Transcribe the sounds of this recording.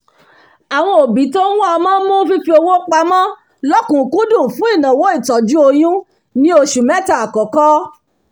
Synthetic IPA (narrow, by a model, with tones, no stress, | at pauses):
a˨w̃ɔ̃˧o˨bĩ˨˦to˦wũ˦a˧mã˦mɔ̃˦fi˦fi˧˦o˧wo˦k͡pa˧mã˦ | lɔ˦kũ˨kũ˦dũ˦˨fũ˦i˦˨nã˨wo˦i˦˨tɔ˨d͡ʒu˦o˧j̃ũ˦ | nĩ˦o˧ʃu˨mɛ̃˦ta˦˨a˨kɔ˨kɔ˦